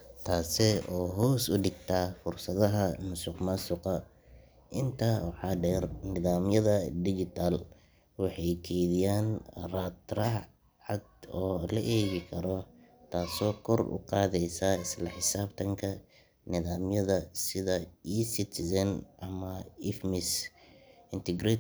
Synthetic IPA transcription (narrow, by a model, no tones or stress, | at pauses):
t̪ʰaːsɛɔːɦɔːsʊɖɪɡt̪ʰaːfʊrsɐðɐɦɐnʊsʊqmɐsʊqɐ | ʔɪnt̪ʰaːwɑħɑːɖɛːrnɪðaːmjɐðɐd̪ɪd͡ʒɪt̪ʰal | wɑħɑjkʰɛjðɪjaːnrɐt̪rɐ | ʕɑd̪ɔːlɐʔɛːβɪkʰɐɾɔ | t̪ʰaːsɔːkʰɔrʊ̰qɑːðɛjsaːɪslɐħɪsaːbt̪ʰɐŋkʰɐ | nɪðaːmjɐðɐsɪðɐisɪt̪ʰɪsɐnʔɐmɐɪfmɪs | ɪnt̪ɛɡɾɛ